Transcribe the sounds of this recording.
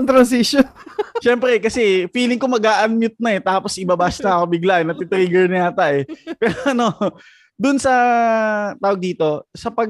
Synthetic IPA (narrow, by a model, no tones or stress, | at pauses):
ŋt̪ɾɐnsisjonʃɛmpɾɛkɐsɛfiːlɪŋkomɐɡaːʔɐnmjʊt̪̚nɐɛt̪aːpo̞sʔɪbɐbaːsnɐɐkobɪɡlaʔɛnɐp̪ɪt̪ɾiːɡɛɹnɪaːt̪aʔɛpɛːɾoʔɐno̞ | d̪ʊʔnsɐ | t̪aːwɐɡ̚d̪iːt̪o̞sɐpɐɡ